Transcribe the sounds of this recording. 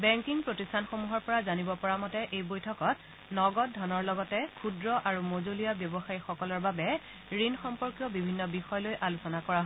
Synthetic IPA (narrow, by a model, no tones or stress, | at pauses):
bɛŋkiŋpɹotistʰanxomuɦɔɹpɔɹazanibɔpɔɹamɔtɛʔejbojtʰɔkɔt | nɔɡɔt̚dʱɔnɔɹlɔɡɔtɛkʰudɹɔʔaɹumozolijabjɔbɔxaixɔkɔlɔɹbabɛ | ɹinxɔmpɔɹkjɔbibʱinːɔbixɔjɔlojʔalusɔnakɔɹaɦɔ